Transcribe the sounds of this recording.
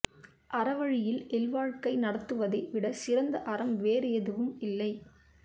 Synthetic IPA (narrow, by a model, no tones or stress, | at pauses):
ʔɐɾɐʋɐɻɪjɪlɛlʋaːɻkɐɪnɐɽɐt̪ːɯʋɐðɐɪʋɪɽɐsɪrɐnd̪ɐʔɐɾɐmʋeːɾɪjɐðɯʋɯmɪlːɐɪ